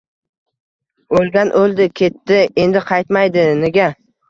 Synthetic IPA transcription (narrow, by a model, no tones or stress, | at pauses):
olɡʲanʔolˠd̪ɪkʲʰe̞t̪ːɪe̞nd̪ɪqʰɑjt̪majd̪ɪneɡʲa